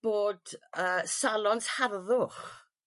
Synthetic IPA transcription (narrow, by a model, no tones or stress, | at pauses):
b̥oːdəːsalˠɔnsharðʊχ